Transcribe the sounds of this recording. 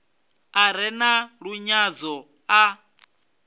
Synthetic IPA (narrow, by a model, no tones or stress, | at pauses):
aɾɛnaɺuɲad͡zɔ | a